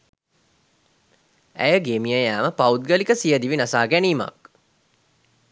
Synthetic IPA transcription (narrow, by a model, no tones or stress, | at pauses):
æ̰jəɡemijəjaːməpaud̪̚ɡəlikəsijəd̪iʋinasaːɡæniːma̰k